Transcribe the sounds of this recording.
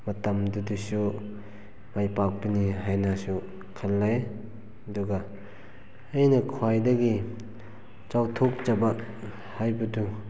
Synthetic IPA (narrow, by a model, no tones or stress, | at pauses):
mɐtɐmdudusu | majpak̚biniɦajnasu | kʰɐlːaj | ɐduɡa | jnɐkʰwajdɐɡi | t͡ʃawtʰok̚t͡ʃaba | hajbɐdu